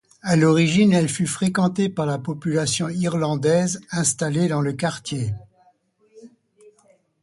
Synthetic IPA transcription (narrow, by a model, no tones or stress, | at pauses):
alɔʁiʒinɛlfyfχekɑ̃t̪epaʁlapɔpylasjɔ̃iʁlɑ̃d̪ɛzɛ̃st̪aled̪ɑ̃ləkaʁt̪je